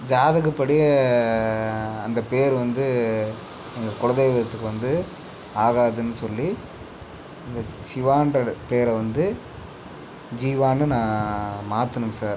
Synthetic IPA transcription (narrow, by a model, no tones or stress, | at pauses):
d͡ʒaːðɐɣɯpːɐɽɪjɐ | ɐnd̪ɐpeːɾʋɐnd̪ɯ | ɛŋɡɐkʊɻɐnd̪ɐjʋɪɾɐt̪ːɯkːɯʋɐnd̪ɯ | aːɣaːðɯnːɯsɔlːi | ɪŋɡɐsɪʋaːnɖɐpeːɾʋɐnd̪ɯ | d͡ʒiːʋaːnɯnãːmaːt̪ːɯnɯmsaːɾ